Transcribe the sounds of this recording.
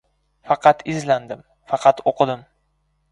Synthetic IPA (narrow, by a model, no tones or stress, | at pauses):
fɑqʰɑt̪ʰɪzland̪ɪm | fɑqʰɑt̪oqʰɨd̪ɪm